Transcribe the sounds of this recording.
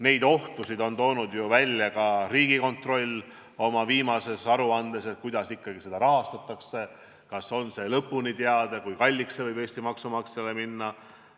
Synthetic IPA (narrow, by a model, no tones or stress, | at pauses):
ne̞jd̪̥o̞ht̪usid̪o̞nt̪o̞ːnud̪juvælʲjɑkɑriːɡiko̞nt̪ro̞lʲː | o̞mɑviːmɑse̞sɑɾuɑnd̪̥e̞se̞t̪̚ˑkujd̪̥ɑsikːɑɡ̥ise̞d̪ɑɾɑɦɑst̪ɑt̪ːˑɑkse̞ | kɑso̞nse̞lɤpːˑunit̪eɑd̪̥ekujkɑlʲːiksevɤjbe̞ːsʲt̪imɑksumɑksɑleminːɑ